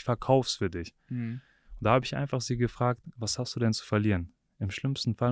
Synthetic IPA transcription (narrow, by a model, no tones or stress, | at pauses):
fɛɐkʰaʊfsfyːɐdɪç | ʊntd̥aːhaːbəɪçʔa̰ɪnfaχz̥iːɡəfʁ̥aːk̚tvashastd̥uːdɛnt͡su̥fɛɐliːʁən | ɪmʃlɪmstn̩fal